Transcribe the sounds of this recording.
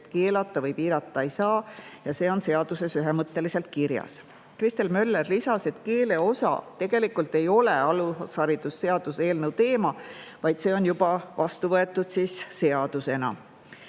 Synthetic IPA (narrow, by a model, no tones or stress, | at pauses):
t̪ke̞ːlɑt̪ˑːɑvɤjpiːɾɑt̪ːˑɑe̞jsɑːjɑse̞ːo̞nse̞ɑd̪̥use̞syɦemɤt̪ːe̞lise̞lt̪̚kiɾjɑ̰s | krist̪e̞lmø̞lːerlisɑse̞t̪ke̞ːle̞o̞sɑ̰t̪e̞ɡ̥e̞likult̪ːˑe̞jo̞leɑlushɑɾid̪̥usːe̞ɑd̪̥use̞ːlnəwt̪e̞ːmɑvɑjd̪̥se̞ːo̞njubɑvɑst̪uvɤe̞t̪ːˑud̪̥siːsse̞ɑd̪̥use̞nɑ̰